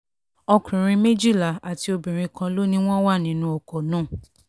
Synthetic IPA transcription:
ɔ˧kɾĩ˨ɾ̃ĩ˧me˦d͡ʒi˦˨la˨a˨ti˧o˧bĩ˨ɾ̃ĩ˧kã˧lo˦nĩ˦w̃ɔ̃˦wa˦˨nĩ˨˦nũ˦o˨ko˨nũ˦˨

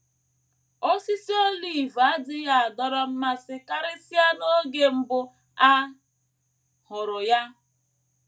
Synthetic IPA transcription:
o˦si˦si˦o˦li˦˨va˦dɪ˦ja˦a˨dɔ˦ɾɔ˦m̩˦ma˦sɪ˦ka˦ɾɪ˦si˦ja˦no˦ɡe˦m̩˦bʊ˦ | a˦ | hʊ˨ɾʊ˨ja˦

